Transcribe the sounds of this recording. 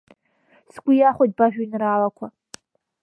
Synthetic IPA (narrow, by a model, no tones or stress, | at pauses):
sɡʷʊjaχʷod̚baʒᶣʊinraːlakʷʰa